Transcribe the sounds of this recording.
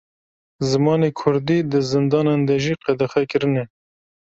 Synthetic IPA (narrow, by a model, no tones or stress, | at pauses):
zɨmɑːnekʰʊɾd̪iːd̪ɨzɨnd̪ɑːnend̪ɛʒiːqɛd̪ɛxɛkɨɾɨnɛ